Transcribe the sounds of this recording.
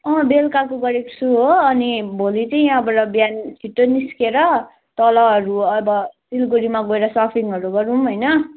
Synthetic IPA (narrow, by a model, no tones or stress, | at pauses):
ʌ̃belkak̬oɡʌɾeksuɦoʌnibʱolit͡sʌĩʌbʌɾʌbjant͡sʰiʈːoniskeɾʌ | t̪ʌlʌɦʌɾuʌbʌsilɡuɾimaɡoeɾʌsapʰiŋʌɾuɡʌɾũmɦʌjnʌ